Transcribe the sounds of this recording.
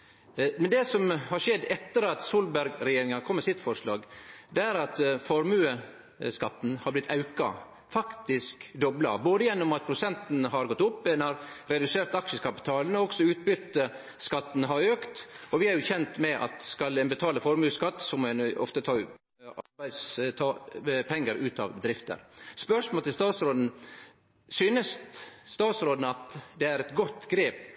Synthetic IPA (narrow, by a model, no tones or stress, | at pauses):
mɛnd̪ɛsɔmhɑɾʂɛd̪ːɛt̪ːəɾɑt̪suːlbæɾɡɾɛjeːɾɪŋɑkʰɔmːəsɪt̪fɔɾʂlɑ̰ːɡd̪ɛæɾɑt̪fɔɾmʉːə | skɑt̪ːn̩hɑɾblɪt̪ʰɑʉkɑ̰ | fɑkt̪ɪskd̪ɔblɑ̰boːd̪əjɛnːʊmɑt̪̚pʰɾʊsɛnt̪nɦɑɾɡɔt̪ːʊpːɛnhɑɾɾɛd̪ʉseːɾt̪ɑkʂəkɑpɪ̥t̪ʰɑːlnəɔɔksɔʉːt̪̚bʏt̪ːə | skɑt̪ːn̩ɦɑɾøːkt̪ɔʋɪæɾjʊçɛnt̪mɛʔɑ̰t̪skɑlɛnbət̪ʰɑːləfɔɾmʉːskɑt̪ːsɔmɛnɔ̰ft̪ət̪ʰɑː | ɑbæɪd̪st̪ʰɑːpʰɛŋːəɾʉːt̪ʰɑ̰ʋbəd̪ɾɪft̪ə̰ɾspœʂmoːlt̪ʰɪlst̪ɑːt̪sɾoːd̪n̩ | syːnəst̪st̪ɑːt̪sɾoːd̪nɑt̪d̪ɛæɾɛt̪ɡɔt̪ːɡɾeːp